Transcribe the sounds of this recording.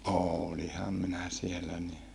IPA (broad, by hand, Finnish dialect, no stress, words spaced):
oːlihɑm minæ sielːæ ni